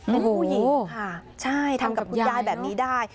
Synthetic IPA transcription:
a˧uː˥˩ji˨˩kʰa˥˩t͡ɕʰa˥˩jt̪ʰa˧mka˨˩p̚kʰu˧njaː˥˩jbɛː˨˩p̚niː˦˥daː˥˩j

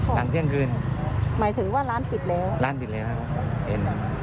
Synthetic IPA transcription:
laː˩˦ŋt͡ɕʰi˥˩əŋkɯː˧nmaː˨˩˦jt̪ʰɯ˩˦ŋwaː˥˩laː˦˥nsi˨˩t̪̚lɛː˦˥wlaː˦˥nsi˨˩t̚lɛː˦˥wkʰa˦˥˧ʔḛ˧˩n˧

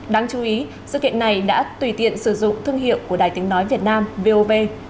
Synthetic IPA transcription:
ɗaː˨˧ŋt͡ɕu˨˦ʔi˨˦ | zɨ̰˧˨kḭ˧˨əna˨˩jɗa̰ː˧˥t̪wi˧˩t̪ḭ˧˨ənsɨ˧˩zʊ̰˧˨ŋ͡mt̪ʰɨ˧əŋɦḭ˧˨əwku˧˩əɗaː˨˩jt̪ï˨˦ŋ̟nɔ˨˦jvi˨˩ət̚naː˧mve˧ʔo˧ve˧

